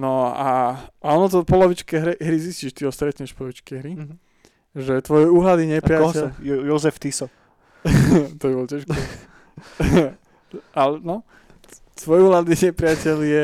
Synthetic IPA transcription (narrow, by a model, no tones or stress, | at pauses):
nɔaaɔnɔt̪̬ɔpɔlɔʋit͡ʃkɛɦɾɛɦɾizisciːʃt̪iɔst̪ɾɛt̪ɲɛʃpɔlɔʋit͡ʃkɛɦɾi | ʒɛt̪ʋɔjɛuːɦlad̪iɲɛpɾɪaɛjɔzɛft̪isɔ | t̪ɔbibɔlcaʃkɔ | alɛnɔ | t̪ʋɔjɛuːɦlad̪iɲɛpɾɪacɛljɛ